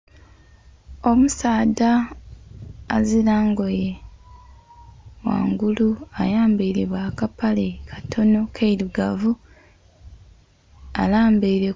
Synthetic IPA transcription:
o̞musaːda | zilaːŋɡo̞je | wa̰ːŋɡuluajaːmbeiɾiβwakapalekʰḁtʰo̞no̞kʰeiɾuɡavu | a̰laːmbeiɾe

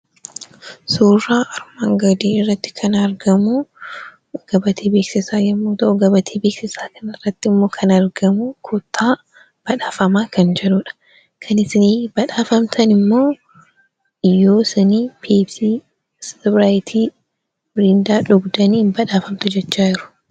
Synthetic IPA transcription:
suːraːʔɐɾmaːŋɡɐd̪iːɪrːɐt̪ːɪ̥kʰɐnɐɾɡɐmu | ɡ̥ɐbɐt̪ʰeːbeːksɪsaːjɐmːuːt̪ɐʔʊɡɐbɐt̪ʰiːbeːksɪsaːkɐnɪrːɐt̪ːɪɪmːoːkʰɐnɐɾɡɐmukʰʊt̪ːaː | b̥ɐᶑaːfɐmaːkʰɐnd͡ʒɛᶑuːᶑɐ̥ | kʰɐnɪsɪniːbɐᶑaːfɐmt̪ʰɐnɪmːo̞ː | ɪjːoːsɪniːpʰiːbsi | sbɾaːjɪt̪ʰiː | bɪɾind̪aːᶑʊɡd̪ɐniːmbɐᶑaːfɐmt̪ʊd͡ʒɛt͡ʃːaːɪɾʊ̥

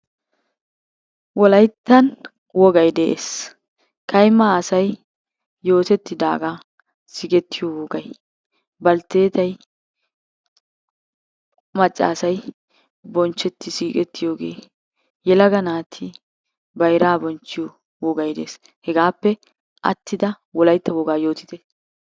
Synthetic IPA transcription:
wɔlɐjt̪ːɐn | wɔɡɐjd̪ɛʔḛːs | kɐjmːɐːsɐj | jo̞ːt̪ɛt̪ːɪd̪a̰ːɡa | sɪɡɛt̪ːɪjowɔɡɐj | bɐlt̪ːe̞ːt̪ɐj | mɐt͡ʃʼːa̰ːsɐj | bɔnt͡ʃːɛt̪ːɪsiːkʼɛt̪ːɪjo̞ːɡḛː | jɛlɐɡɐnaːt̪ʰɪ | bɐjɾaːbɔnt͡ʃːɪjo | wɔɡɐjd̪ḛːs | hɛɡaːpːɛ | ʔɐ̰t̪ːɪd̪ɐ | wɔlɐjt̪ːɐwɔɡaːjo̞ːt̪ɪ̥t̪ɛ

